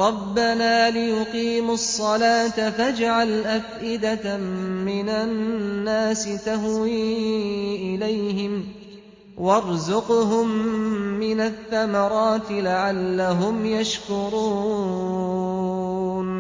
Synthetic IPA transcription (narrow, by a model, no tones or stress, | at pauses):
ɾˤɑbːanaːlɪjʊqiːmʊsˤːɑlaːt̪afad͡ʒʕalʔafʔɪd̪amɪnanːaːsɪt̪aɦwiː | ʔɪlajhɪm | wɑɾˤzʊqɦʊmː | ɪnaθːamɑɾˤɑːt̪ɪlaʕalːaɦʊmjaʃkʊɾuː | n